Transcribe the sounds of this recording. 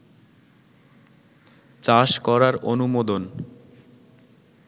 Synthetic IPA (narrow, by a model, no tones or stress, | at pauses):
t͡ɕaʃkɔɾaɾonumod̪on